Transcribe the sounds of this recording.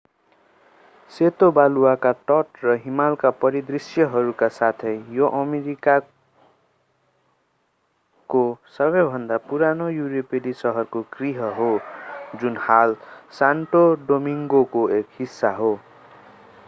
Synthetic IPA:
set̪obaluwakaʈʌʈrʌɦimalkapʌɾid̪risjʌɦʌɾukasat̪ʰʌjjoʔʌmeɾika | kosʌbʌjbʱʌnd̪apuɾanojuɾepelisʌɦʌrkoɡriɦʌɦod͡zunhalsaɳʈoɖomiŋɡokoekhisːaɦo

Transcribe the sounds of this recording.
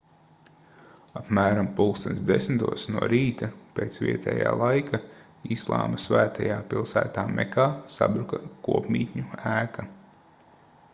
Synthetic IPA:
apmæːɾampulˠkst̪ɛnsd̪esmt̪uɔsnuɔɾiːt̪ɐpeːt̪svʲiɛt̪ʰɛ̰ːja̰ːlˠajkʰa | islˠa̰ːmɐsvæːt̪ʰajaːpilˠsæ̰ːt̪aːmʔɛ̰kaːsa̰bɾukɐkuɔpmʲiːt̪ʲɲuæːka

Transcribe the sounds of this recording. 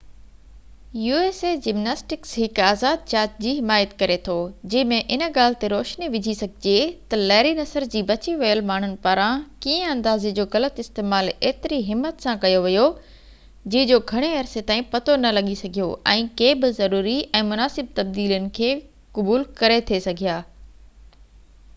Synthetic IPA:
juːeːseːd͡ʑɪmnaːsʈɪksɦɪkaːzaːd̪̚t͡ɕaːt͡ɕ̚d͡ʑiːɦɪmaːjət̪kɐɾet̪ʰoːd͡ʑɐ̃ɦɪ̃mẽʔɪnə̆ɠaːl̤ɪt̪eɾoːʃniʋɪd͡ʑʱisɐɡʱɪd͡ʑet̪ɐlɐːɪɾinɐsəɾd͡ʑiːbɐt͡ɕiʋɐjəlmaːɳ̤ʊnɪ̆paːɾãkiːə̃ɐ̃nd̪aːzed͡ʑoːɣɐlət̪ɪst̪eːmaːleːt̪ɪɾiɦɪmːət̪sãkɐjoʋɪjo | d͡ʑɐ̃ɦɪ̃d͡ʑoɡʱɐɽ̃eɐɾset̪aːĩpɐt̪onɐlɐɠisɐɡʱijo̰ʔɛ̃ːkeːbɪzɐɾuːɾiɛ̃ːmʊnaːsɪb̚t̪ɐb̚d̪iːljənɪ̆kʰeː | kʊbuːlkɐɾet̪ʰiesɐɡʱijaː

